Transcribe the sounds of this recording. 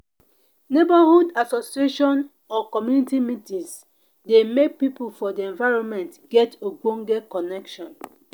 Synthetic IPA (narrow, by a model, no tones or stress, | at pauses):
nebahudasosieʃɔ̃n | ɔkɔmjunitimitĩs | demek̚pipulfɔdiɛ̃nvaɪɹɔ̃nmɛ̃ntɡ̥ɛtoɡõŋɡɛkɔnɛkʃɔ̃n